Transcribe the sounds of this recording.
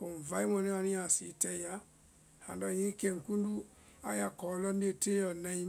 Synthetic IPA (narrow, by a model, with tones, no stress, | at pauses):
ko˨m˨va˨˦i˦mɔ˧˨ne˦wa˧ni˦a˨si˨˦tɛ˧ja˦ | ha̰˨n˨da˧˨ɲi˦ke˨ŋ̩˨ku˦n˦du˦ | a̰˦ja˨kɔ˨˦lɔ˦n˦e˦˨te˦ɔ˨nɛ˧˦